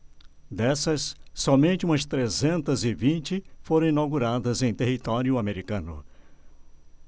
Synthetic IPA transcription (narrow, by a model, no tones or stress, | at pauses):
d̪ɛsɐsːɔmẽnt͡ʃɪũmɐst̪ɾezẽnt̪ɐzɪvĩnt͡ʃɪfoɾɐ̃w̃inawɡuɾad̪ɐzẽj̃t̪ehit̪ɔɾjʊameɾikɐ̃nʊ̰